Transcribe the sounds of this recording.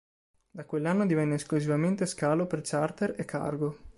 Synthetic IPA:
d̪akwelːanːod̪ivɛnːeːskluzivament̪eskaːlopert͡ʃart̪eɾekʰːa̰rɡo

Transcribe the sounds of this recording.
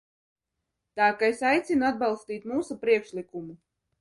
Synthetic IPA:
t̪aːkaesajt̪sʲinuad̪̚balˠst̪iːt̪muːsupɾiɛkʃlikumu

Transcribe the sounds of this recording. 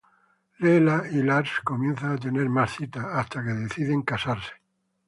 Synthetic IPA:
lelailaɾsko̞mjẽ̞nθaːt̪̬e̞ne̞ɾmasθit̪aast̪ake̞ðe̞θiðeŋkasaɾse̥

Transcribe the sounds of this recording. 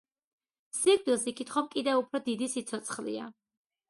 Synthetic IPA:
siɾd̪ilˠsikʰit̪χɔmkʼid̪ɛvupʰɾɔd̪id̪isit̪sʰɔt̪sʰχlḭa̰

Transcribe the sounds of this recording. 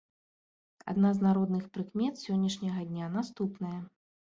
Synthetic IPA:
a̰d̪naznaɾɔd̪nɨxpɾɨkmʲɛt̪sʲɔnʲːɐʂnʲɐɣɐd̪ʲnʲanast̪upnɐjɐ

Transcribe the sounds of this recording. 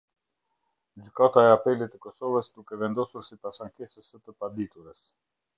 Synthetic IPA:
d͡ʒykat̪aɛapɛlit̪əkɔsɔvəsd̪ukɛvɛnd̪ɔsuɾsipasaŋkɛsəsət̪əpad̪it̪uɾəs

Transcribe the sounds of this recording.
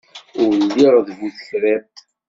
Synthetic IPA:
ʊɾlːiɾðvuθə̥çɾæ

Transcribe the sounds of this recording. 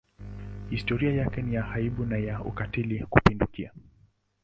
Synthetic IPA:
histɔɾiajakɛnijahaiɓunajaṵkatilikupindukia

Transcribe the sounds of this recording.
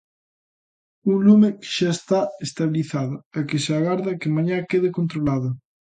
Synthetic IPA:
uŋlumekɪ̥ʃaest̪aest̪aβiliθaðʊɛkɪseaɣaɾðakemaɲakeðekont̪ɾolaðʊ

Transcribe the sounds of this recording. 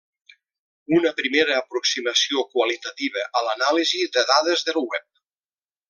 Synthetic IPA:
unəpɾimeɾəːpɾuksiməsiokwəlit̪ət̪iβ̞əʔəlanaliziðəðaðəzðəlˠwɛp̚

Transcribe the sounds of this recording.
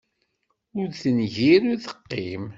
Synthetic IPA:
ʊɾθənʝiɾʊɾθə̥qːim

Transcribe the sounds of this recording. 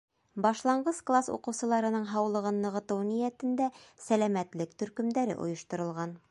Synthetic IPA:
bɑʃlˠɑɴɢɤsklˠasṵqɤ̆wsɤ̆lˠɑɾɤ̆nɤɴɦɑwlˠɤ̆ʁɤnːɤ̆ʁɤ̆t̪ɤwnijæt̪ɘ̆nd̪æsælæmæt̪lɘkt̪ɵ̆ɾkɵ̆md̪æɾɘ̰ʔŏ̰jŏʃt̪ŏɾɤ̆lˠʁɑn

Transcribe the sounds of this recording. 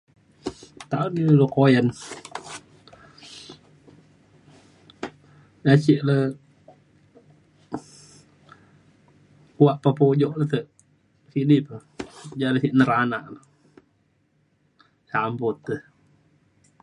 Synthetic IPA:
t̪auniləlokojən | jat͡ʃiʔlə | uwaʔpapod͡ʒɔʔləht̪əʔ | siʔdipəd͡ʒaləsiʔnəɾanaʔlə | sambɔt̪ːə

